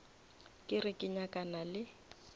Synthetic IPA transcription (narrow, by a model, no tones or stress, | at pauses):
kʼɪrɪkʼɪɲakʼanalɪ